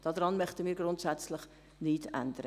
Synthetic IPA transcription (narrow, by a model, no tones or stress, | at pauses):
d̥ɑːd̥̪ɾɑnmœχtəmiːɾɡrʊntsæt͡slɪχ | nɪtʰæ̰nd̥əɾə